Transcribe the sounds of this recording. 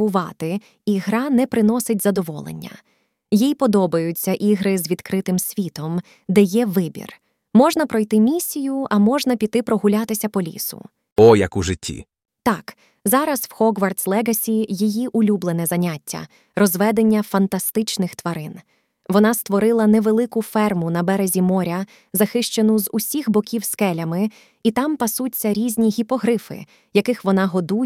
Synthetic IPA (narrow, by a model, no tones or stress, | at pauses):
ʊʋɑt̪ɪ | iɦɾɑnɛpɾɪnɔsɪtʲzɐd̪ɔʋɔ̰lˠḛnʲːɐ̰ | jijpɔd̪ɔbɐjʊt͡sʲːɐʔiɦɾɪzʋʲid̪kɾɪt̪ɪmsʲʋʲit̪ɔm | d̪ɛjɛʋɪbʲḭr | mɔʒnɐpɾɔjt̪ɪmʲisʲːijʊɐmɔʒnɐpʲit̪ːɪpɾɔɦʊlʲat̪ɪsʲɐpɔlʲḭsʊ̰ | ɔjɐkuʒɪtʲʰːḭ | t̪ɑk | zɑɾɐswxɔɡʋɐrt̪slˠɛɡɐsʲijijiʔʊlʲublˠenɛzɐnʲatʲːɐ̰ | rɔzʋɛd̪e̞nʲːɐfɐnt̪ɐst̪ɪt͡ʃnɪxt̪ʋɐɾɪn | ʋɔnɑst̪ʋɔɾɪlˠɐnɛʋelˠɪkʊfɛrmʊnɐbɛɾezʲimɔɾʲɐ | zɐxɪʃt͡ʃenʊzusʲixbɔkʲiwskɛlʲɐmɪ | it̪ɑmpɐsutt͡sʲːɐɾʲizʲnʲiɦʲipɔɦɾɪfɪ̰ | jɐkɪxʋɔnɑɦɔd̪u